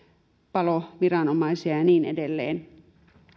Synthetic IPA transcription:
pɑloʋirɑnomɑisiɑjɑniːnḛdelːḛːn

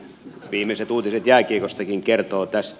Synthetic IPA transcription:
ʋiːmˑeset̪uːt̪iset̪jæːkiekost̪ɑkiŋkert̪oːt̪æst̪

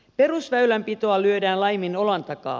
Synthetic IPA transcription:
pe̞ɾusʋæylæmpit̪oɑlyødæːnlɑjmino̞lɑnt̪ɑkɑ̰ː

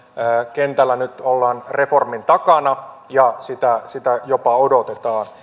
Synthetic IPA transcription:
əːkent̪ælːænyt̪olːɑːnreformint̪ɑkɑnɑ | jɑsit̪æsit̪æjopɑodot̪et̪ɑːn

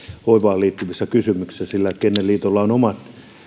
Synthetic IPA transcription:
oiʋɑːliːt̪ːyʋisːækysymyksi̥sæsilːækenːelliːt̪olːɑonomɑt̪

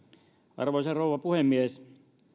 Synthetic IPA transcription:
ʔɑ̰rʋoisɑrouʋˑɑpuhemːies

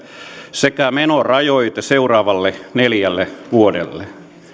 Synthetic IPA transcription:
sekæmenorɑjoit̪ɑseurɑːʋɑlːeneljælːeʋuodḛlːe

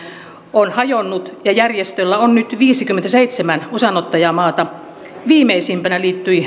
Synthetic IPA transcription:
onhɑjonːut̪jɑjærjest̪ølːæonnyt̪ʋiːsikymːent̪æseit̪semænusɑnot̪ːɑjɑmɑːt̪ɑ | ʋiːmeisiːmpænæliːt̪ːyi

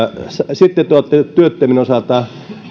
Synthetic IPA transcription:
ssit̪ːet̪uot̪ːet̪yøt̪ːæminosɑˑt̪ˑɑ

